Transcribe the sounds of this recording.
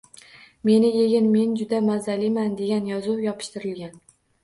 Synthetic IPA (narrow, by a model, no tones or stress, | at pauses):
me̞nɪjeɡʲɪnme̞nd͡ʒʊd̪amazalimand̪e̞ɡʲanjɒzʊwjɒpʰɪ̥ʃt̪ɪɾɪlɡʲan